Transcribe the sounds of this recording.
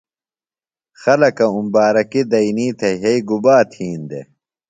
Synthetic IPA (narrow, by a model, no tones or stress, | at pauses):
xɐlɐkɐumbaːɾɐkid̪ɐiniːt̪ʰeɦeiɡubaːt̪ʰiːnd̪ḛ